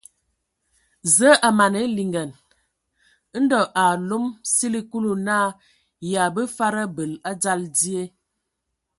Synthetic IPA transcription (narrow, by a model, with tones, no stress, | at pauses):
zə˦ʔa˨ma˨ne˨˦li˨ŋɡə˨n˦ | n̩˦dɔ˨ʔa˨lo˦msi˦li˦ku˦lu˨naː˦˨ | ja˨bə˦fa˦ɾə˦bə˨la˦d͡za˦ldi˦e˦